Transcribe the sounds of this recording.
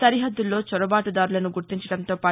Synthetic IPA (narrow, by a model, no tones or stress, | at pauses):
sɐɾiɦɐd̪ːulːo̞ːt͡ʃɔɾɐbaːʈud̪aːɾulɐnuɡuɾt̪iɲt͡ʃɐɽɐnt̪o̞ːpaː